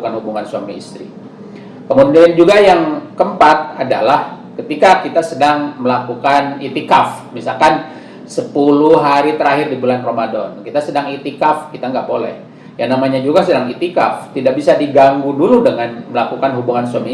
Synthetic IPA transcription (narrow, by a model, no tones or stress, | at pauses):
ukanhubuŋansuamiːst̪ɾḭ | kəmudiand͡ʒuɡajaŋkəmpat̪̚ada̰lah | kət̪ikakit̪asədaŋməlakukanit̪ikafmisalkan | səpuluɦaɾit̪əɾaɦɪrdibulanromadɔnkit̪asədaŋit̪ikafkit̪aŋɡaʔbolɛ̰h | jaŋnamaɲad͡ʒuɡasədaŋit̪ika̰ft̪idak̚bisadiɡaŋɡuduludəŋanməlakukanɦubuŋansuami